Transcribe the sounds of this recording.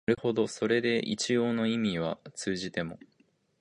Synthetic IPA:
ɾɯ̟ho̞d̪o̞so̞ɾe̞d̪e̞ʔḭt͡ɕijo̞ːno̞imʲiβ̞at͡sɨːʑit̪e̞mo̞

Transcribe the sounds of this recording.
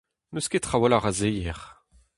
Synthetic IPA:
nøsket̪χawalaʁazejɛʁ

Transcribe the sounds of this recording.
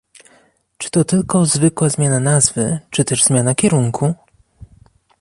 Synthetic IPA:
t͡ʂɘ̥t̪ɔt̪ɘlkɔzvɘkwazmʲjananazvɘt͡ʂɘt̪ɛʐzmʲjanakʲɛɾuŋkʰu

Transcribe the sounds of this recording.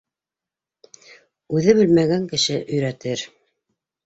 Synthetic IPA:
ʉðɘbɵlmæɡæŋkɘ̆ʃɘʔɵ̆jɾæt̪ɘɾ

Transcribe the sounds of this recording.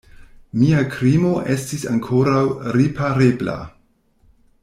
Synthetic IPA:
miakɾimo̞ʔe̞stisaŋkʰo̞ɾawɾipʰaɾebla̰

